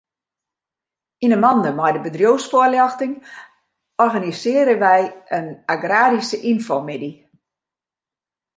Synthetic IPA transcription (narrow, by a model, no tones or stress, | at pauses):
inənmɔndəmɔjdəbədrjowsfoəljɔxtɪŋ | ɔrɣanisɪəɾəʋɛjənaɡraːɾisəʔinfomedi